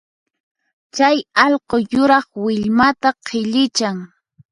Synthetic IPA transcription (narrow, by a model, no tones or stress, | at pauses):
t͡ʃajɑʎqojʊɾɑχwɪʎmat̪aqʰɪʎɪt͡ʃaŋ